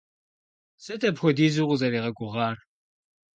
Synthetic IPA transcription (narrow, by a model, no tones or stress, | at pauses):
sɐtʰɐpxʷɔdiːzuqʷʊzɐɾiːʁɐɡʷʊʁɑːr